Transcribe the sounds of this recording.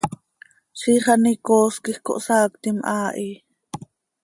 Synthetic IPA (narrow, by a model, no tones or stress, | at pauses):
ʃiχɑnikoːskihko̰ʔsaːkt̪imʔaːʔi